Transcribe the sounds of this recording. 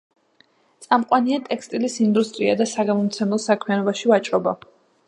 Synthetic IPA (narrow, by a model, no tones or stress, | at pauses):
t̪sʼamqʼwaniat̪ʼɛkst̪ʼilisind̪ust̪ʼɾiad̪asaɡamɔmt̪sʰɛmlˠɔsakʰmianɔbaʃivat͡ʃʼɾɔba